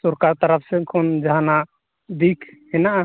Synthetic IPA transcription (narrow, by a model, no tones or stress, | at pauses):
sɔɾkaɾt̪aɾapʰsɛkʰɔnd͡ʒaɦana | d̪ikʰhɛnaʔa